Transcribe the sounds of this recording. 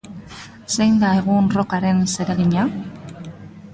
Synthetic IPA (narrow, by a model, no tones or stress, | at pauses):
sejnd̪aeɣ̞unro̞kaɾe̞nse̞ɾeɣiɲa